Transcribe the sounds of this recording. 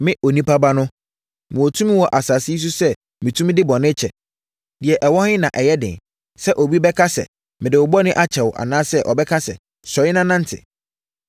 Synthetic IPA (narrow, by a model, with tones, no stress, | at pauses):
mɪ̃˦o˨nĩ˦pa˦ba˦nʊ̃˦ | mʊ̃˨wɔ˨tʰũ˦mĩ˦wɔ˨ʔa˨saː˨sɪ˦s̬u˦sɛ˦ | mɪ̃˨tʰũ˦m̃˦dɪ˦bɔ˨nɪ̃˦t͡ɕʰɛ˨ | dɪ˨ɛ˨ʔɛ˨wɔ˦hɪ̃˦nã˨ʔɛ˨jɛ˦dɪ̰̃˨n | sɛ˦ʔo˨bi˦bɛ˦kʰa˦sɛ̰˨ | mɪ̃˨dɪ˨wʊ˨bɔ˦nɪ̃˦ʔa˦t͡ɕʰɛ˨wʊ˨ʔa̰˨nãː˦sɛ˦ʔɔ˨bɛ˦kʰa˦sɛ̰˨ | sɔ˨ɪ˦nã˦nã˦n˦tʰɪ̰˨